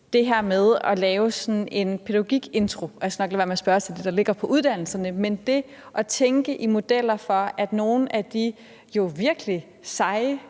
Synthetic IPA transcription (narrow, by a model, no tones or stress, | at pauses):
d̥e̝ɦæɐ̰meðˠɒ̽lɛːʊsɒnne̝npʰe̝ɾ̥æɡ̥o̝ɡ̥iɡ̥e̝nt͡sʰʁo̝ɒæsɡ̥nɒ̽ɡ̥leʋæɐmesb̥ɶɐsad̥e̝d̥ɑ̈le̝ɡ̥ɐpʰɒ̽ʔuð̞ˠd̥æn̰l̩sɐnəmend̥e̝ | ʔɒ̽t͡sʰeŋɡ̥əʔimo̝d̥el̰ɐfɒ̽æd̥no̝ːn̩ʔæd̥i | jo̝ʋiɐɡ̥li | sɑ̈ɪ